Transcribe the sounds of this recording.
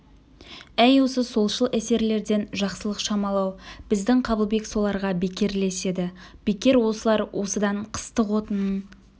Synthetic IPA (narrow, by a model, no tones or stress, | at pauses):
æjwo̞səso̞lˠʃəlˠʔæse̞ɾle̞ɾd̪e̞nʒɑqsəlˠəqʃɑmɑlˠɑwb̥ɪzd̪ɪŋqʰɑbəlˠbe̞kso̞lˠɑɾʁɑbekʲe̞ɾle̞se̞d̪ɪ | b̥e̞kʲe̞ɾwo̞səlˠɑɾwʔo̞səd̪ɑɴqʰə̥st̪əqwo̞t̪ənən